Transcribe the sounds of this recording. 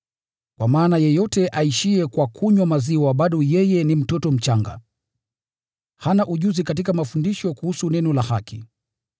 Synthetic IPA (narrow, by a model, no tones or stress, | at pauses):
kwamaːnajɛjɔtɛʔaiʃiɛkwakʰuɲwamaziwaɓaɗɔjɛjɛnim̩tɔtɔm̩t͡ʃaŋɡa̰ | hanaʔuʄuzikat̬ikamafundiʃɔkuhusunɛnɔlahaki